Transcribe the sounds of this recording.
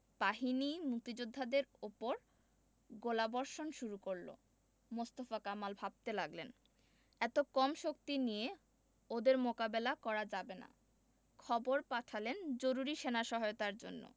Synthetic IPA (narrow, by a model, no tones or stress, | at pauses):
paɦinimuk̚t̪id͡ʑod̪ʱːad̪eɾupoɾ | ɡolabɔɾʃonʃuɾukoɾlo̰ | most̪ofakamalbʱab̚t̪elaɡlen | ɛt̪okɔmʃok̚t̪inije | od̪eɾmokabelakɔɾad͡ʑabena̰ | kʰɔboɾpaʈʰalend͡ʑoɾuɾiʃenaʃɔɦojot̪aɾd͡ʑo̰nːo̰